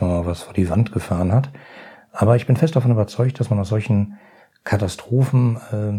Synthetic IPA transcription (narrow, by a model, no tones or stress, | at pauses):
ɔmaːlvasfoːɐdiːvantɡ̥əfaːʁənhat | ʔaːbɐɪçb̥ɪnfɛst̚d̥afɔnybɐt͡sɔʏkt̚d̥asmanaʊszɔlçn̩ | kʰatastʁ̥oːfn̩ɛ